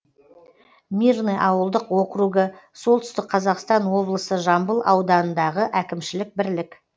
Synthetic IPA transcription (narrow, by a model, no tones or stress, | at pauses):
mirneʔɑwəlˠd̪əqwo̞qɾuɡəso̞lˠt̪ʏst̪ɪk̚qʰɑzɑqst̪ɑnwo̞blˠəsəʒɑmbəlˠɑwd̪ɑnənd̪ɑʁəʔækʲɪmʃɪlɪk̚bɪɾlɪk